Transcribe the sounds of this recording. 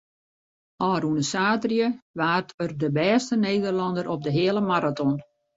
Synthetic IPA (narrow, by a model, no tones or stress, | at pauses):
ɔːɾunəsaːtrjəʋaːrtʰərdəbɛːstəneːdərlɑndəɾʔɔp̚dəɦɪəlˠəmaɾatɔn